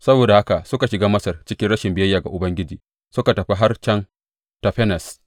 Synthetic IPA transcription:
sɐ˦boː˨da˨ha˦ka˨sʊ˦ka˨ʃɪ˨ɡaː˦mɐ˦sɐ˨rt͡ʃɪ˦kʲɪ˦nɽɐ˦ʃɪ˨mbɪ˨jɐ˦jːaː˨ɡa˨ʔʊ˨bɐ˦ŋɡʲɪ˦d͡ʒiː˨ | sʊ˦ka˨tɐ˨ɸi˦ɦa˦rt͡ʃɐ˦n | tɐ˨ɸɛ˦nɐ˨s

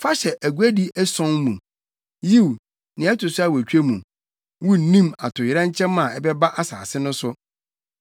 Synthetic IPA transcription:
fa˦ɕɛ˨ʔæ˨ɡu˨˦æ˦di˦ʔɛ˦sɔ̃˦nmũ˨ | ji˦˨w | nɪ̃˨ɛ˦tʰʊ˨sʊ˦a˦˨wæ˨t͡ɕᶣe˦mṵ̃˨ | wu˦n̩˨nĩ˦ma˨tʰʊ˨jɪ˨ɾã˦ɲ˦t͡ɕʰɛ̃˦mːã˨ɛ˦bɛ˦ba˦ʔa˦saː˨sɪ˦nʊ̃˦sʊ˦

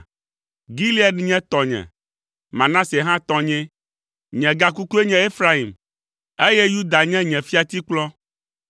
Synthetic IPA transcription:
ɡi˦li˦a˦ɖɲɛ̃˦t̪ɔ˨ɲɛ̰̃˨ | mã˨nã˦se˨ɦã˦t̪ɔ̃˦ɲɛ̃˦ | ɲɛ̃˨ɡa˦ku˦ku˦e˦ɲɛ̃˨e˦fɾa˦i˨m | e˦jɛ˦ju˦d̪a˨ɲɛ̃˦ɲɛ̃˨fi˦a˨t̪i˦k͡plɔ˦

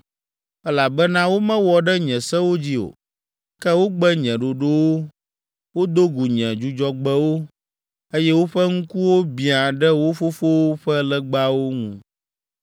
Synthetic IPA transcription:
ɛ˦la˨bɛ˦nã˦wo˦mɛ̃˦wɔ˨ɖɛ˦ɲɛ̃˨sɛ˦wo˦d͡ʑi˦o̰˨ | kɛ˦wo˦ɡ͡bɛ˦ɲɛ̃˨ɖo˨ɖo˦wo˦ | wo˦d̪o˦ɡu˨ɲɛ̃˨d͡ʒu˦d͡ʒɔ˦ɡ͡bɛ˦wo˦ | e˦jɛ˦wo˦ɸɛ˦ŋ̩˦ku˦wo˦bĩ˨a˨ɖɛ˦wo˦fo˦fo˦wo˦ɸɛ˦lɛ˦ɡ͡ba˦wo˦ŋũ˦˨

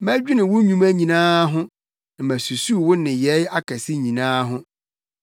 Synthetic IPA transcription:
mæ˦d͡ʑᶣi˦nɪ̃˨wʊ˦ɲũ˦mæ˦ɲĩ˨nãː˦ɦʊ̃˦ | n˨mæ˨su˨su˦˨wʊ̃˦nɪ̃˨jɛ˨˦ja˦kʰæ˨sɪ˦ɲĩ˨nãː˦ɦʊ̃˦

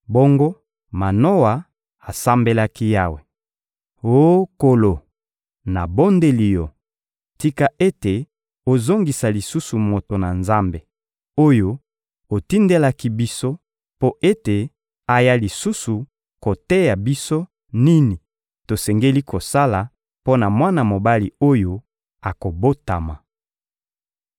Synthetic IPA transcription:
bo˦ŋɡo˦ | ma˨no˦wa˨ | a˨sa˦mbe˦la˦ki˦ja˦we˨ | o˦ko˨lo˨ | na˨bo˦nde˦li˨jo˨ | ti˦ka˦ʔe˦te˨ | o˨zo˦ŋɡi˨sa˨li˨su˦su˨mo˨to˨na˨nza˦mbe˨ | o˦jo˦ | o˨ti˦nde˦la˦ki˦bi˦so˦ | po˦ʔe˦te˨ | a˨ja˦li˨su˦su˨ | ko˨tɛ˦ja˨bi˦so˦ | ni˦ni˨ | to˨sɛ˨ŋɡe˦li˦ko˨sa˦la˨ | po˦na˨mwa˦na˨mo˨ba˦lḭ˨o˦jo˦ | a˨ko˨bo˦ta̰˨ma˨

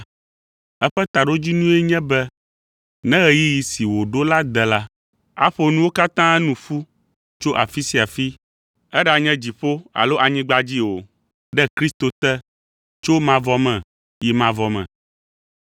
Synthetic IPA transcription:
ɛ˦ɸɛ˦t̪a˨ɖo˦d͡ʑi˦nũ˦ɛ˦ɲɛ̃˦bɛ˦ | nɛ̃˦ɣɛ˦ji˦ji˨si˨wo˨ɖo˦la˦d̪ɛ˨la˦ | a̰˦ɸo˦nũ˦wo˦ka˦t̪ã˦ɛ˦nũ˨fu˦ | t͡ʃo˦ʔa˨fi˦si˨a˨fi˦ | ɛ˦ɖa˨ɲɛ̃˦d͡ʑi˨ɸo˦a̰˨lo˦ʔa˨ɲĩ˦ɡ͡ba˦d͡ʑi˦o˨ | ɖɛ˦kɾi˦st̪o˨t̪ɛ˦ | t͡ʃo˦mã˨vɔ˦mɛ̃˨ | ji˨mã˨vɔ˨mɛ̰̃˨

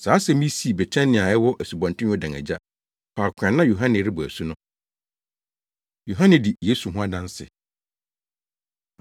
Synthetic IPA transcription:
saː˨˦sɛ˦mĩ˦si˨˦˨bɛ˨t͡ɕʰɛ̃˦nɪ̃˨a˨ɛ˦wɔ˦ʔæ˨su˨bɔ̃˨ntɪ̃˦ɔ˦dã˨ŋæ̰˨d͡ʑa˦ | pʰa˨kʰã˨nːã˦jo˨ɦã˦nɪ̃˨ɾɪ˦bʊ˨æ̰˨su˦nʊ̃˦ | jo˨ɦã˦nɪ̃˨di˨jeː˦su˨ɦʊ̃˦a˦dã˦n˦sɪ̰˨

